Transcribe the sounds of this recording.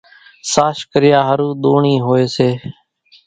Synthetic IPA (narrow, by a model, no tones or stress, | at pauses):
saːʃkəɾɪjaːɦəɾuːɗ̪oːɳiːɦoːeːseː